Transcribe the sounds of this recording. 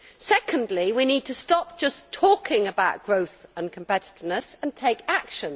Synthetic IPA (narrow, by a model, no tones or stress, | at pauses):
sɛkʰə̃ndˡliwiniːd̚tʰəstɒp̚d̥ʒ̥ʌstʰɔˑkʰɪ̃ŋəbaʊʔ̚ɡ̥ɹəʊθə̃nkʰə̃m̩pɛtɪ̥tɪvnəsə̃ntʰeɪkakʃə̃n